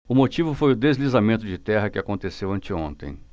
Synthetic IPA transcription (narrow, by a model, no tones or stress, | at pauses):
ʊmot͡ʃivʊfojʊd̪ezlizamẽnt̪ʊd͡ʒɪt̪ɛɦɐkɪakõnt̪esewɐ̃nt͡ʃɪõnt̪ḛ̃j̃